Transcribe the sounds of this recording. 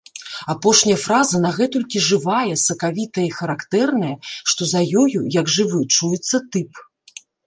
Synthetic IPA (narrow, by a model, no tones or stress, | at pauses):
apɔʂnʲɐjɐfɾazɐnɐɣɛt̪ɔlʲkʲiʐɨvajɛsɐkavʲit̪ɐjixɐɾakt̪ɛrnɐjɐʂt̪ɔzajɔjujɐɡʐɨvɨt͡ʂujɛt̪sːɐt̪ɨp